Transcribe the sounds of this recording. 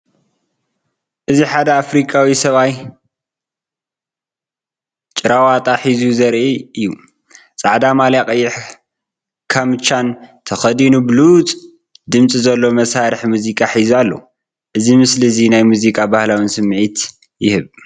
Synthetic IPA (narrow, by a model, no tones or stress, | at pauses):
ʔɨziħad̪ɐafɾikʼawisɐβaj | t͡ʃʼɪɾawat̪ʼaħizuzɐɾʔiɨjːu | t͡sʼaʕd̪amalakʼɐjːɪħ | kʰamɨt͡ʃant̪ʰɐxɐd̪inubɨlut͡sʼ | d̪ɨmt͡sʼizɐlːo̞mɐsaɾɨħmuzikʼaħizualːo̞̰ | ʔɨzimɨslizinajmuzikʼabahlawɨnsɨmːʕit̪ | jɪhɨβ